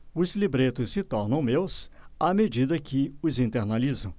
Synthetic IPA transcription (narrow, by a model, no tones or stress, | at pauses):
ʊzlibɾet̪ʊsːɪt̪ɔɾnɐ̃w̃mewsamed͡ʒid̪ɐkʰɪʊzĩnt̪eɾnalizɐ̃w̃